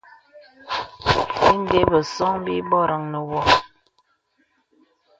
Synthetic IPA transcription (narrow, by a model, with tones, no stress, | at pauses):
bi˦n˦de˦bə˨sɔ˦ŋbi˦bɔ˦ɾə˨ŋnə˨wɔ˦˨